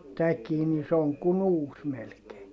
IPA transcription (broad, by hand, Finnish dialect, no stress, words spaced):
tækiː ni se oŋ kun uːs melkeː